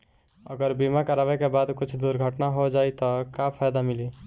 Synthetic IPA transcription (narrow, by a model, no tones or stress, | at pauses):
ə̰ɡəɾbimakəɾabɛkebad̪kut͡ʃʰd̪uɾɡʱəʈnaɦod͡ʒajt̪ɔkapʰajd̪amili